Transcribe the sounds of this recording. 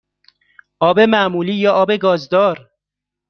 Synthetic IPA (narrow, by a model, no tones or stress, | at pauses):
ʔɒːbemæʔmuːliːjɒːʔɒːbe̞ɡɒːzd̪ɒːɾ